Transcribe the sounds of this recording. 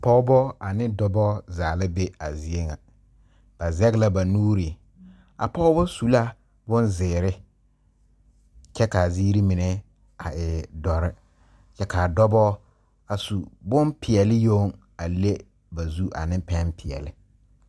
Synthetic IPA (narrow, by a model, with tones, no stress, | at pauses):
pɔ˦ʊ˦bɔ˦a˨nɪ˦dɔ˦bɔ˦zaː˨lɪ˦be˦a˨zi˨e˦ŋa˨ | b̥a˨zɛ˦ɡla˦ba˨nuː˦ɾi˨ | a̰˨pɔ˦ʊ˦bɔ˦su˨la˦ | bʊ˦nzɪː˨ɾɪ˦ | t͡ʃɛ˦ka˨ziː˦ɾi˦mɪ˨nɛ˦ | a˨ɪ˨dɔ˨ɾɪ˦ | t͡ʃɛ˦ka˨dɔ˦bɔ˦ | a˨su˨bʊ˦npʰɪ˨ɛ˨lɪ˦jo˦ŋ | a˨le˦ | ba˨zu˦ʔa̰˨nɪ˦pɛ˦npʰɪ˨ɛ̰˨lɪ˦